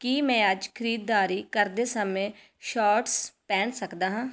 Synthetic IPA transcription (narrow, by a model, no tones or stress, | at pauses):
kiːmɛ̃ːəd͡ʒkʰɪɾiːd̪ːaːɾiːkəɾd̪eːsəmẽː | ʃaːɾʈspɛ̃ːɳsəkd̪aːɦãː